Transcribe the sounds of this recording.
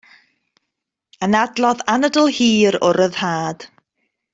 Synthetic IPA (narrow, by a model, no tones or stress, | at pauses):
ənadlˠɔðanədəlˠhiːɾʊɾəð̥haːd̥